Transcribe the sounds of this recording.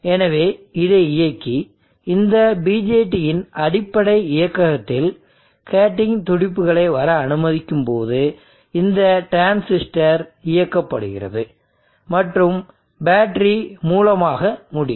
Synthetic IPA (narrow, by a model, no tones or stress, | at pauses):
ɛnɐʋeːɪðɐɪɪjɐkːi | ɪnd̪ɐbiːd͡ʒeːʈːijɪnʔɐɽɪpːɐɽɐɪɪjɐkːɐɣɐt̪ːɪl | keːʈːɪŋt̪ʊɽɪpːɯɣɐɭɐɪʋɐɾɐːnɯmɐðɪkːɯmpoːðɯ | ɪnd̪ɐʈɾaːnsɪsʈɐɾɪjɐkːɐpːɐɽɯɣɪ̰rɐ̰ðɯ | mɐʈrɯm | baːʈɾimuːlɐmaːɣɐmʊɽɪ̰